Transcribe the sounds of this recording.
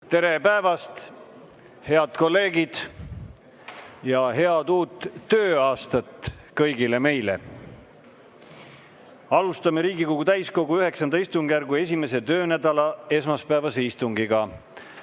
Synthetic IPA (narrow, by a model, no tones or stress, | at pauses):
t̪e̞ɾepæevɑst̪ | he̞ɑt̪ko̞lːe̞ːɡid̪̥ | jɑɦe̞ɑt̪uːt̪ˑːø̞ːɑːst̪ɑt̪ | kɤjɡile̞me̞jlḛ | ɑlust̪ɑmeɾiːɡikoɡ̥ut̪æjsko̞ɡ̥uyhe̞ksɑnd̪ɑist̪uŋɡ̥jærɡue̞s̬ʲime̞s̬e̞t̪ø̞ːnæd̪ɑlɑe̞smɑspæevɑseist̪uŋɡiɡ̥ɑ